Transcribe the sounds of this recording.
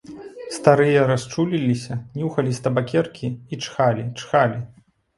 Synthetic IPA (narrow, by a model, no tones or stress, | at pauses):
st̪aɾɨjɐɾast͡ʂulʲilʲisʲɐnʲuxɐlʲist̪ɐbakʲɛrkʲʰiit͡ʂxalʲit͡ʂxalʲi